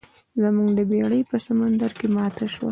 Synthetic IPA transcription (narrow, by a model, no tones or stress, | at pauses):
lamuɡd̪əbeɽəjpəsamand̪aɾkemɑt̪ʰaʃwa̰